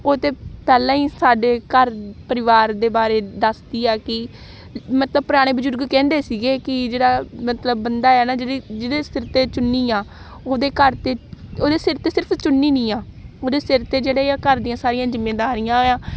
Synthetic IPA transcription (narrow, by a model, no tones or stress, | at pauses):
oːt̪eːpɛːlãːiːsaːɖeːkəɾpəɾɪʋaːɾd̪eːbaːɾeːd̪əsd̪iːɛːkɪ | mət̪ləb̚pʊɾaːɽ̃eːbəd͡ʒʊɾɡkɛ̃ːnd̪eːsiːɡeːkɪd͡ʒeːɽaːmət̪ləbːənd̪aːɛːnaːd͡ʒeɽiːd͡ʒedeːsɪɾt̪eːt͡ʃʊnːiːãː | oːd̪eːkəɾt̪eːoːd̪eːsɪɾt̪eːsɪɾpʰt͡ʃʊnːiːnĩːãːoːd̪eːsɪɾt̪eːd͡ʒeːɽaːaːkəɾd̪iːãːsaːɾijãːzɪmːeːd̪aːɾiːãːoːjãː